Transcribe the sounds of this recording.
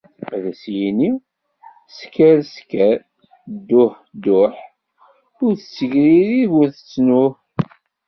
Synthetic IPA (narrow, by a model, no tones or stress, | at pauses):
ðæsjini | skæɾskæɾ | d̪ːʊħ | d̪ʊħ | ʊɾθət͡sːəʝɾiɾiʝʊɾθət͡sːnʊθ